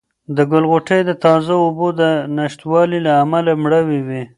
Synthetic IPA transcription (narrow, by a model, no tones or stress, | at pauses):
d̪əɡʊlɣoʈejd̪ət̪ɑzaʊbod̪ənaʃt̪wɑlilaːmalamɽəwiwi